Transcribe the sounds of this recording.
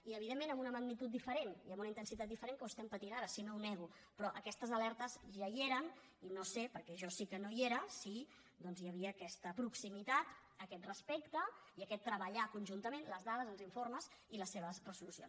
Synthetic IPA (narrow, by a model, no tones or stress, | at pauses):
iəβ̞iðemːenəmunəməɡnit̪ut̪̚d̪ifəɾeniəmunəint̪ənsit̪at̪̚d̪ifəɾeŋkəust̪ɛmpət̪inaɾəsinounɛɣu | pɾɔʔəkɛst̪əzəlɛɾt̪əzʒajeɾən | inosepəɾkɛʒɔsikənoieɾəsi | d̪ɔnzjəβ̞iəːkɛst̪əpɾuksimit̪at̪ | əkɛt̪rəspɛkt̪əiəkɛt̪ːɾəβəʎakunʲʒunt̪əmenləzðað̞əzənziɱfoɾməziləsːeβəzrəzulusio̰ns